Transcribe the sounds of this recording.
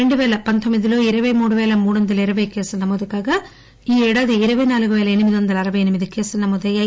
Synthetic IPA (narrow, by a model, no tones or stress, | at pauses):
eɳɖuʋɛːlɐpɐnt̪ʰomːid̪iloːiɾɐʋɐjmuːɽuʋeːlɐmuːɽond̪ɐlɐiɾɐʋɐjkeːsɐnɐmːoːd̪ɐkːaːɡɐ | iːɛɽɐd̪iiɾɐʋɐjnaːlkuʋeːlɐenimid̪iond̪ɐlɐɾɐʋɐjenimid̪ukeːsɐnɐmːoːd̪ɐjɐ